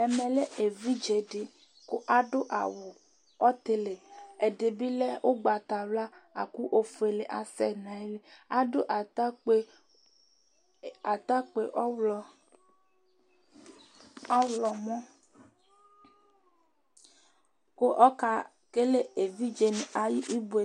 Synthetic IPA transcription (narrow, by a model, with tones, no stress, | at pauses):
ɛ˨mẽ˨le˦e˨vi˦d͡ʒe˨ɖe˨ | ko˦ʔa˨ɖo˦ʔa̰˨wo˨ | ɔ˦t̪e˦le˨e˨ɖe˨bi˦le˦wʔo˦ɡ͡ba˨t̪a˨lla˦a̰˨ku˦ʔo˦fe˨le˨ʔa˨sɛ˦nã˨˦e˦le˦a˦ɖo˦ʔa˨te˦ | a˨t̪a˦k͡pe˨ʔɔ˦wlɔ˨ | a˦wlɔ˨mɔ̃˦ | ko˦ʔɔ˦ka˦ | ke˦le˦e˨vi˦d͡ʒe˨n˨a˨ji˦ʔi˦be˦˨